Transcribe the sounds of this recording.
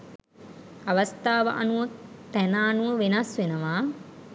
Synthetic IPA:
aʋɐst̪aːʋə̰ʔanuʋət̪ænaːnuʋəʋenɐsʋenəʋaː

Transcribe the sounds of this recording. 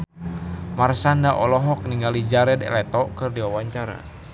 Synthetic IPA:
marsandaʔɔlɔɦɔk̚niŋɡalid͡ʒaɾɛdɛ̰lɛt̪ɔkɨrdiwawaɲt͡ʃaɾa̰

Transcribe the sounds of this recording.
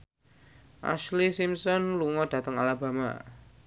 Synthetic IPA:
ʔa̰ʃlisimsɔnluŋɔd̥ä̤t̪əŋalab̥a̤ma̰

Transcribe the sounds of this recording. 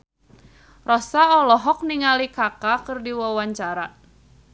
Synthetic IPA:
rɔsaɔlɔɦɔk̚niŋalikakakɨrdiwawaɲt͡ʃaɾa

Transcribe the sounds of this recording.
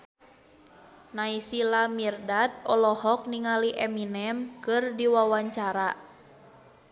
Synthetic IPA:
naisilamirdat̪̚ɔlɔhɔk̚niŋaliʔɛminɛmkɨrdiwawaɲt͡ʃaɾa

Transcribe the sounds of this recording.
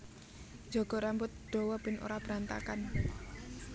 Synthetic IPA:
d͡ʒɔ̤ɡ̥ɔ̤ɾambʊt̪̚d̪̥ɔ̤wɔb̥ɪnʔo̰ɾab̥ɾant̪a̰kan

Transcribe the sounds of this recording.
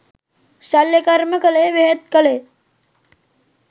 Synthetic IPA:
saljəkəɾməkəleʋeɦet̪̚kəle

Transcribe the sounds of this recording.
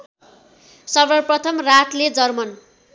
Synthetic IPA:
sʌrbʌprʌt̪ʰʌmraʈʰled͡zʌrmʌn

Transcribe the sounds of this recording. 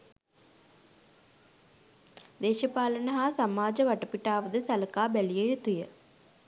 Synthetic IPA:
d̪eːʃəpaːlənəɦaːsamaːd͡ʒəʋaʈəpiʈaːʋəd̪əsæləkaːbælijəjut̪ujə

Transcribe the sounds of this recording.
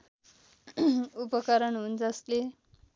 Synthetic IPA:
upəkəɾəɳɦuːnd͡zasle

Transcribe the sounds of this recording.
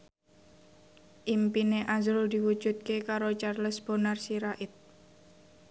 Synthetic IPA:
ʔimpineʔazɾʊd̪iwu̥ʒ̥ṳt̪̚kekaɾot͡ʃarləsb̥o̤narsiɾaʔɪt̪̚

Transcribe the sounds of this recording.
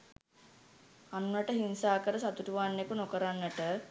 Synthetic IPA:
anʋəʈəɦinsaːkəɾəsat̪uʈuʋaːnːjekunokəɾanːəʈə

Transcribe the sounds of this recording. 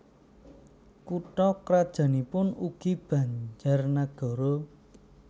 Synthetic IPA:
kuʈɔkɾad̥ʒ̥a̤nipʊnuɡ̥ib̥ä̤ɲd͡ʒarnaɡ̥ɔ̤ɾo

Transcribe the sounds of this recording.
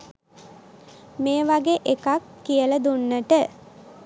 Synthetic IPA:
meːʋaɡeʔekakːijələd̪unːəʈə

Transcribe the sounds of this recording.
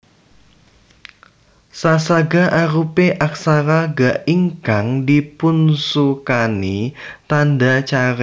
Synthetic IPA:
sasaɡaʔaɾupeʔak̚saɾaɡaʔiŋkaŋdipunsukanit̪andat͡ʃaɾ

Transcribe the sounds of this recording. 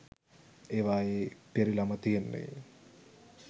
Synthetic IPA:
eːʋaːjeːpeɾilamɐt̪ijenːḛ

